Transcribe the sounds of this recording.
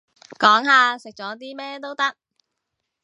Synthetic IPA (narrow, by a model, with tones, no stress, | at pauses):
kɔː˨˥ŋɦaː˨˧sɪ˨k̚t͡ʃɔː˨˥t̪̬iː˥mɛː˥t̪̬o˥wt̪ɐ˥k̚